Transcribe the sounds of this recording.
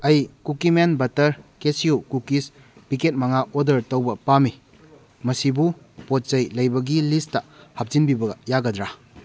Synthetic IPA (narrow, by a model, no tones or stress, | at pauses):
ɐjkukimenbɐtɐɾkesiukukis | biket̚mɐŋaʔodɐɾtɐwbɐpami | mɐsibu | pot̚t͡ʃɐjlɐjbɐɡilistɐhap̚zinbibɐɡɐjaɡɐdɾa